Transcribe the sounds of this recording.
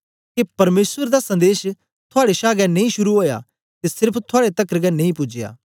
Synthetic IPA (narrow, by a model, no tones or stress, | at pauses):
kepɐɾmeːswəɾd̪asɐ̃nd̪eːʃ | t̪ʰʊaːɽeʃaːɡɛnẽĩʃʊɾuɦoːja̰ | t̪esɪɾpʰt̪ʰʊaːɽet̪ɐkɾəkɛnẽĩpʊd͡ʒɪja̰ː